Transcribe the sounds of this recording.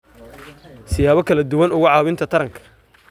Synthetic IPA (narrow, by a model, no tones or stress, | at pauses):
sɪjaːβɔkʰɐlɐd̪ʊwɐnʊɣʊʕɑːwɪnt̪ʰɐt̪ʰɐɾɐŋkʰɐ̥